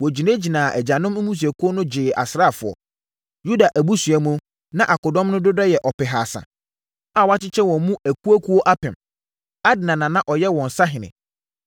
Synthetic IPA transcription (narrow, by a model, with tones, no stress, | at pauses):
wɔ˨d͡ʑi˨nẽ˦d͡ʑi˨nãː˨ʔɛ˨d͡ʑa˨nʊ̃˦m̩˦mũ˦s̬u˨ɛ˨kʰu˦o˦nʊ̃˦d͡ʑɪː˨ʔa̰˨sɾa˦˨fʊ˨ɔ̰˨ | ju˦da˨ʔæ˨bu˦sɥɛ˨mũ˦ | nã˦ʔa˨kɔ˨dɔ̃˦mnʊ̃˦dʊ˦dɛ˦jɛ˨ʔɔ˨pɪ˨ɦaː˨sã̰˨ | a˦˨wa˦t͡ɕɪ˦t͡ɕʰɛ˦wɔ̃˨˦mũ˦ʔæ˨ku˦æ˦kʰu˦o˦ʔa˦pɪ̃˨m | a˦dɪ˨nã˨nã˨nã˦ʔɔ˨jɛ˦wɔ̃˨n˨sa˦ɦɪ̃˨nɪ̰̃˨